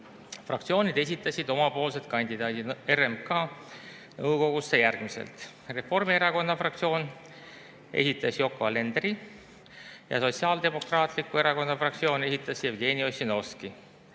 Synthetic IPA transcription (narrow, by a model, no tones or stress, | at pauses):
frɑk̚t̪sio̞ːnid̪̥e̞s̬ʲit̪ːˑɑsid̪o̞mɑpo̞ːlse̞d̪̚kɑnʲd̪id̪ɑːd̪ieremkɑː | nɤwko̞ɡ̥usːejærɡ̥mise̞̰lt̪ | re̞fo̞rmie̞ɾɑko̞nːɑfrɑk̚t̪sio̞ːn | e̞̰sit̪ːˑɑsjo̞kːˑoɑle̞nd̪ri | jɑ̰so̞t̪siɑːld̪e̞mo̞krɑːt̪ˑlikːue̞ɾɑko̞nːɑfrɑk̚t̪sio̞ːne̞sit̪ˑːɑsjevɡe̞ːnio̞sʲino̞ski